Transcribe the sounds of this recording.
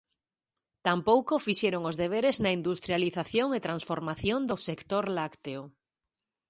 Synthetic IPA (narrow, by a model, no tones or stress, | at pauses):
t̪ampowkofiʃeɾoŋozðeβ̞eɾeznɐind̪ust̪ɾjaliθaθjoŋet̪ɾãnsfoɾmaθjond̪osekt̪oɾlakt̪eo